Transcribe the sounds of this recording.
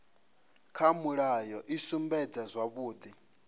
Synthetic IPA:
kʰamuɺajɔʔisumbɛd͡zazʷaβuːd̪i

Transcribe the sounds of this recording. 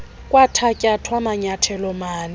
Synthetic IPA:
kʼwatʰakʼatʰwamaɲatʰɛlɔmaːnɪ

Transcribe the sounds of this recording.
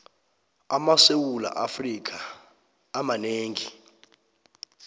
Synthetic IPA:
amasewula̰ʔafrik̬ʰʼaː | maneːŋi

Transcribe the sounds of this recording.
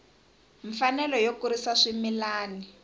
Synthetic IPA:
ɱfanɛlɔjokuɾisaʂimilaːni

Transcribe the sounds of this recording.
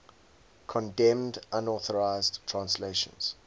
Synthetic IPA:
kʰɔ̃ndɛ̃mdʔãnɔθəɹaɪzdtʰɹãnsleɪʃə̰̃nz̥

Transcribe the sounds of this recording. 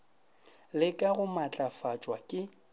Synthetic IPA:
lɪkʼaɣʊmat͡ɬʼafat͡ʃʼwakʼɪ

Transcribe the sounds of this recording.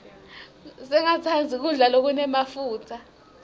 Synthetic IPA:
sɛŋatʰand͡zʱik̬uɮalok̬unɛmafuːtʰa

